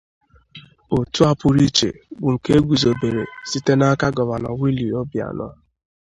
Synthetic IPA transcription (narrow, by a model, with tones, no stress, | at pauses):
o˨tu˦a˦pʊ˨ɾi˦t͡ʃḛ˨bʊ˨ŋ̩˨ke˦e˦ɡʷu˨zo˨be˨ɾḛ˨si˦te˦na˦ka˦ɡɔ˨βa˨nɔ˨wi˦li˨ɔ˦bja̰˨nɔ̰˦